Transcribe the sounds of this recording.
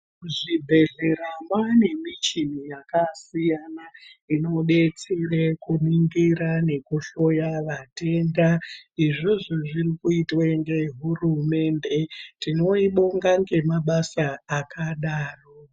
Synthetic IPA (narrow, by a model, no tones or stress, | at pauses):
ʐibʱe̞ɮe̞ɾamwane̞mit͡ʃin̤ijakasijanaino̞ɓet͡serekuniŋɡiɾane̞kuʃo̞jaʋate̞ndaiʐoʐoʐirikuitwaeŋɡeɦurume̞ːnde̞tino̞iɓoŋɡaŋɡe̞maɓasaːkʰaɗaːro